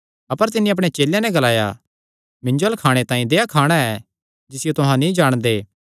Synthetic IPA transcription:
ɐpəɾt̪̬ɪnːĩɐpɽ̃et͡ʃeːljãnɛ̃ɡɐlaːja̰ | mɪ̃ɲd͡ʒoəlkʰaːɽ̃et̪ãːĩd̪eːakʰaːɽ̃aɛ | d͡ʒɪsɪjot̪ʊɦãnĩd͡ʒaːɽ̃d̪eː

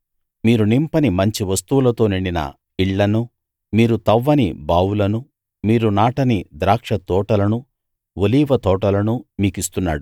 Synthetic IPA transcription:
miːɾunimpɐnimɐɲt͡ʃiʋɐst̪uʋulɐt̪o̞ːniɳɖinɐ̰ | iɭːɐnu | miːɾut̪ɐʋːɐnibaːwulɐnu | miːɾunaːʈɐnid̪ɾaːkʂɐt̪ɔːʈɐlɐnu | ʋoliːʋɐt̪ɔːʈɐlɐnumiːkist̪unːa̰ːɽu

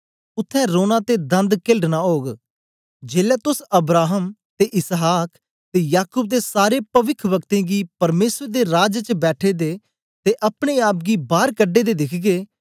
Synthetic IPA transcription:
ʊt̪ʰːɛ̃ːɾoːnãːt̪eːd̪ə̃nd̪kɪlɖnaːɦoːɡ | d͡ʒeːlɛːt̪ʊsəbɾaːɦəmt̪eːʔɪsɦaːk | t̪eːjaːkʊːb̚d̪eːsaːɾeːpəʋɪkʰʋəkt̪ẽːɡiːpəɾmeːsɾd̪eːɾaːd͡ʒt͡ʃəbɛːʈʰeːd̪eː | t̪eːʔəpɽeːaːp̚ɡiːbaːɾkəɖːeːd̪eːd̪ɪkʰɡeː

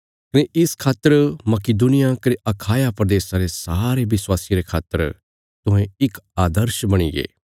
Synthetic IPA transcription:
kɐneʔɪskʰaːt̪ːəɾmɐkid̪unɪjakɐɾiʔɐkʰaːjapɾɐd̪eːsãɾesaːɾeʋɪswaːsĩɾekʰaːt̪ːəɾ | t̪ʊ̃ɦẽɪkaːd̪əɾʃbɐɽ̃iɡḛː

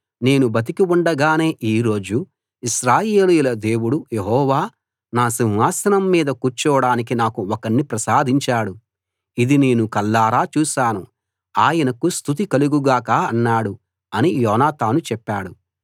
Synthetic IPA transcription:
ne̞ːnubɐt̪̬ikiuɳɖɐɡaːne̞ːʔiːɾo̞ːd͡ʒu | iʃɾaːje̞ːlujilɐd̪e̞ːwuɽuje̞ɦɔːʋaː | naːsiŋʋaːsɐnɐmːiːd̪ɐkuɾt͡ʃɔːɽaːnik̬inaːkuɔkɐɳːipɾɐsaːd̪ʱiɲt͡ʃaːɽu | id̪ine̞ːnukɐlːaːɾaːt͡ʃuːʃaːnu | aːjɐnɐkust̪ʰut̪̬ikɐluɡuɡaːkaːɐnːaːɽu | ɐnijɔːnaːt̪aːnut͡ʃɛpːaːɽu

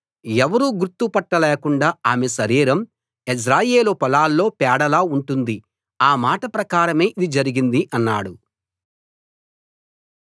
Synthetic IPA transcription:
ɛʋɐɾuːɡuɾt̪ːupɐʈːɐleːkuɳɖaːaːmesɐɾiːɾɐm | esɾaːjeːlupɐlaːlːo̞ːpɛːɽɐlaːuɳʈund̪i | aːmaːʈɐpɾɐkaːɾɐme̞ːʔid̪id͡ʒɐɾiɡind̪iʔɐnːaːɽu

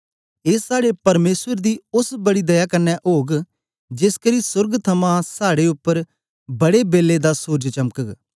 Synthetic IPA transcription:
eːsaːɽepɐɾmeːswəɾd̪iːʊsbɐɽid̪ɐjaːkɐɾnɛʔoːɡ | d͡ʒɪskəɾisʊɾɡt̪ʰɐmãsaːɽeʊpːəɾ | bɐɽebeːlːed̪aːsoːd͡ʒt͡ʃɐməkək

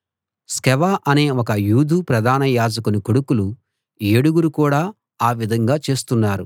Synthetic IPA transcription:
skɛʋaːʔɐne̞ːɔkɐjuːd̪ʱupɾɐd̪ʱaːnɐjaːd͡ʒɐkunukoɽukulu | eːɽuɡuɾukuːɽaː | aːʋid̪ʱɐŋɡaːt͡ʃe̞ːst̪unːaːɾu

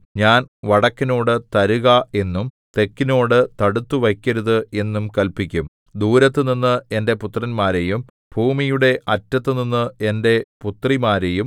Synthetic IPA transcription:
ɲaːnʋɐɽɐkːino̞ːɽɨt̪ɐɾuɣɐe̞nːum | t̪e̞kːino̞ːɽɨt̪ɐɽut̪ːuʋɐkʲːɐɾuðɨe̞nːumkɐlpikʲːum | d̪uːɾɐt̪̬ːɨninːɨe̞nde̞put̪ːrɐnmaːɾejum | b̥ʱuːmijuɽe̞ʔɐtːɐt̪ːɨninːɨe̞nde̞put̪rimaːɾe̞jum

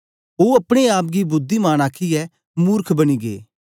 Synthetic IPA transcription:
oːɐpɽ̃eaːp̬̚ɡibʊd̪ʱːimaːñaːkʰiɛ | muːɾkʰbɐñiɡḛː

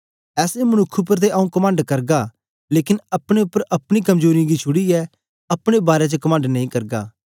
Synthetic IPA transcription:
ɛːsemɐnʊkʰːup̬əɾt̪̬eʔɐũkɐmə̃ːɳɖkɐɾɡa | leːkɪnɐpɽ̃eʊpːəɾʔɐpɽ̃ikɐmd͡ʒoːɾiɡit͡ʃʰʊɽiɛ | ɐpɽ̃ebaːɾet͡ʃəkɐmãːɳɖnɐ̃ĩːkɐɾɡa̰ː

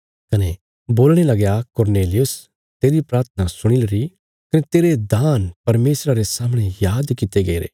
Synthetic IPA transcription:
kɐne | boːlɽ̃elɐɡjakʊɾneːlɪjʊs | t̪eːɾipɾaːɾt̪ʰənasʊɽ̃ilɾi | kɐnet̪eːɾed̪aːnpɐɾmeːsɾaɾesaːməɽ̃ejaːd̪kɪt̪eɡɐiɾḛː

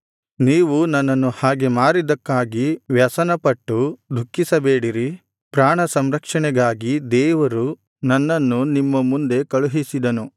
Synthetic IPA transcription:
niːʋunɐnːɐnːuhaːɡe̞maːɾid̪ɐkːaːɡiʋjɐsɐnɐpɐʈːud̪ʱukːisɐbeːɽiɾi | pɾaːɳɐsɐmɾɐkʂɐɳɛɡaːɡid̪ɛːʋɐɾu | nɐnːɐnːunimːɐmund̪e̞kɐɭuɦisid̪ɐnu

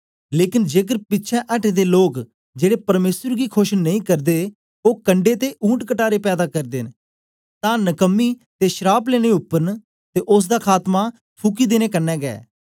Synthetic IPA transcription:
leːkɪnd͡ʒeːk̬əɾpɪtːʃʰɛ̃ʔəʈeːd̪eːloːk | d͡ʒeːɽeːpəɾmeːsəɾɡiːkʰoʃnəĩkəɾd̪eː | oːkəɳɖeːt̪eʔũːʈkəʈaːɾeːpɛːd̪aːkəɾd̪en | t̪ãːnəkəmːiː | t̪eːʃəɾaːpleːɽ̃eʊpːəɾn | t̪eːʔʊs̬d̪aːkʰaːt̪maː | t̪ʰukiːd̪eːneːkənːɛːɡɛ̰ː

